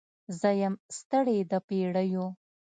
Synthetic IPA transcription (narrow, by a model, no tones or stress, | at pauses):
zəjamst̪əɽed̪əpeɽəju